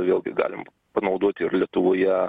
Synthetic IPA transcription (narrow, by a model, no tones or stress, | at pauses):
ʋʲeːlˠʲɡʲɪ̰ɡɑ̰ːlʲɪm | pɐnɐʊd̪oɔt̪ʲɪɪrlʲiɛt̪ʊʋoːjɛ